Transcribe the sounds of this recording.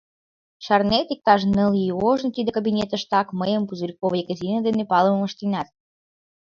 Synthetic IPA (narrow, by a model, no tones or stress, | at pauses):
ʃɑrnet̪ik̚t̪ɑʃnəlioʒnt̪id̪ekabʲinʲet̪ə̆ʃt̪ɑkməjəmpuzuɾʲikoβəjɡəzʲinəd̪enepɑləməməʃt̪inɑt̪̚